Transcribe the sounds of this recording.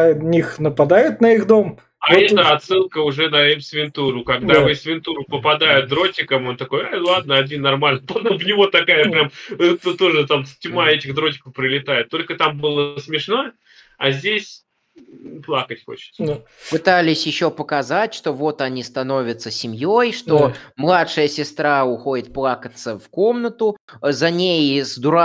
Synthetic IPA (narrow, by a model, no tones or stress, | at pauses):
nʲixnəpɐd̪ajʊt̪nəiɣd̪om | aɛt̪əɐt̪sɨlˠkəʊʐɛd̪ɐemʲsvʲɪnt̪uɾʊkɐɡd̪avɨsvʲɪnt̪uɾʊpəpɐd̪ajɪt̪̚d̪ɾo̞tʲɪkəmo̞nt̪ɐko̞jalˠad̪̚nəɐdʲinːɐrmalʲnəpˠɐd̪ovnʲɪvo̞t̪ɐkajəpɾʲamt̪ot̪ːoʐɨt̪amsʲtʲmaɛtʲɪɣd̪ɾo̞tʲɪ̥kəfpɾɪlʲɪt̪ajɪt̪ːo̞lʲkət̪ambɨlˠəsmʲɪʂno | ɐzʲdʲesʲ | plˠakətʲxo̰t͡ɕɪ̥t̪s | pɨt̪alʲɪsʲjɪɕːo̞pəkɐzatʲʂt̪o̞vo̞t̪ɐnʲist̪ɐno̞vʲət̪səsʲɪmʲjojʂt̪o̞mlˠat̪ʂɨjəsʲɪst̪ɾaʊxo̞dʲɪt̪̚plˠakət̪səfko̞mnət̪ʊzɐnʲejzd̪ʊɾa